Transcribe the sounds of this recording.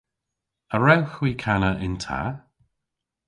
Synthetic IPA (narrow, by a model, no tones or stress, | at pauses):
əɹɛwxwiːkʰanəʔɪntʰa̰